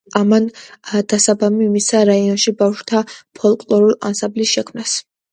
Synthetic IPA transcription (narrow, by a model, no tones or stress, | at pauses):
amand̪̥asabamimisaɾaiɔnʃibafʃwt̪ʰapʰɔlˠkʼlɔɾulˠa̰nsamblisʃɛkʰmnas